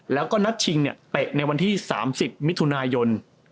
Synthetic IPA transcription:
lɛː˦˥wkɔː˥˩na˦˥t̪̚t͡ɕʰi˧ŋni˥˩ət̪e˨˩ʔ̚na˧jwa˧nt̪ʰiː˥˩sa̰ː˩˦msi˨˩p̚mi˦˥t̪ʰːu˧naː˧jo˧n

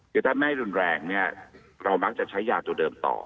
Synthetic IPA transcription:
kʰɯ˧˩t̪ʰaː˥˩ma˥˩jɾu˧nɾɛː˧ŋni˥˩ɐ | ɾa˧wma˦˥k̚t͡ɕa˨˩t͡ɕʰa˦˥jːaː˨˩t̪u˧ɐdɤː˧mt̪ɔ̰ː˨˩

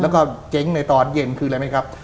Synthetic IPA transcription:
lɛ˦˥wkɔː˥˩t͡ɕe˦˥ŋna˧jt̪ɔː˧˩t̪̚je˧˩nkʰɯː˧la˧jma˦˥˩kʰa˦˥p̚

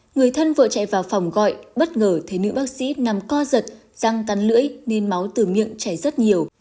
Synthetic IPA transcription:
ŋɨ˨˩əjt̪ʰə˧nvə̰ː˧˨t͡ɕa̰˧˨jvaː˨˩wfa˨˩wŋ͡mɣɔ̰˧˨jɓə˦˥t̚ŋəː˨˩t̪ʰe˨˦nɨ̰˧˥ɓaː˦˥k̚sḭ˧˥na˨˩mkɔ˧zə˨˩t̚ | z̥a˧ŋka˨˦nlɨ̰˧˥əjne˧nma˨˦wt̪ɨ˨˩mḭ˧˨əŋt͡ɕa˧˩jzə˦˥t̚ɲi˨˩əw

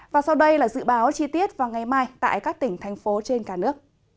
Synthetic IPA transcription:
vaː˨˩sa˧wɗə˧jlaː˨˩zɨ̰˧˨ɓaː˨˦wt͡ɕi˧t̪i˦˥ət̚vaː˨˩wŋa˨˩jmaː˧jt̪a̰ː˧˨jkaː˦˥k̚t̪ï˧˩ŋ̟t̪ʰɛ˨˩jŋ̟fo˨˦t͡ɕe˧nkaː˧˩nɨ˦˥ək̚

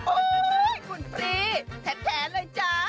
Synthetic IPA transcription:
ʔoː˧kʰu˧˩npʰɾiː˧˥t̪ʰɛ˦˥p̚t̪ʰɛː˨˦nlɤː˧jt͡ɕa˦˩

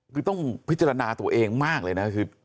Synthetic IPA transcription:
kʰɯː˧t̪ɔ˥˩ŋpʰi˦˥t̪t͡ɕːa˧ɾa˧naː˧t̪u˧ɐʔeː˧ŋmaː˥˩k̚lɤː˧jna˦˥kʰɯː˧

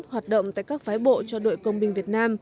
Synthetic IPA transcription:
hwaː˨˩t̚ɗə̰˧˨wŋ͡mt̪a̰ː˧˨jkaː˦˥k̚faː˨˦jɓo̰˧˨t͡ɕɔ˧ɗo̰˧˨jkə˧wŋ͡mɓï˨ŋ̟vi˨˩ət̚naː˧m

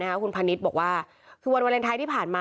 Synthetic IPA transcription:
a˦˥kʰa˦˥kʰu˧npʰa˧ni˦˥t̪̚bɔː˨˩k̚waː˥˩ | kʰɯː˧wa˧nwa˧nle˧nt̪ʰaː˧jt̪ʰiː˥˩pʰaː˨˩nmaː˧

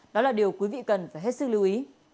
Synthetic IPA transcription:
ɗɔ˨˦laː˨˩ɗi˨˩əwkwi˨˦vḭ˧˨kə˨˩nfaː˧˩jɦe˦˥t̚sɨ˦˥k̚li˨˦wʔi˨˦

